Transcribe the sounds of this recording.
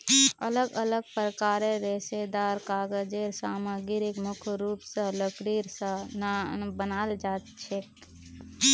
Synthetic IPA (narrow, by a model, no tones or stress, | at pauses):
ɐləɡələɡ̚pɾəkaːɾẽɾeːsed̪aːɾkaːɡəd͡ʒeɾsaːmaːɡɪɾɪkmʊkʰɾuːpsələkɾiːɾsənbənaːld͡ʒaːt̪t͡ʃʰeːk